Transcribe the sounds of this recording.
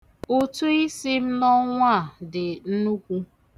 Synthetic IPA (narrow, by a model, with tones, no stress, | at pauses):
o˦tu˦i˦si˦m̩˦nɔ˦ŋʷa˦˨dɪ˨n̩˦nu˦kʷu˦